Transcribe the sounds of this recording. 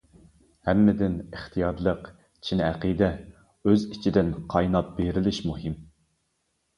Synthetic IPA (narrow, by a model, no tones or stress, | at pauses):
hɛmːɪd̪ɪnəχt̪ʰijɑɾlˠəq | t͡ʃʰinɛqid̪ɛ | øzit͡ʃʰid̪ɪnqʰɑjnɑp̚beɾɪlɪʃmuɦɪm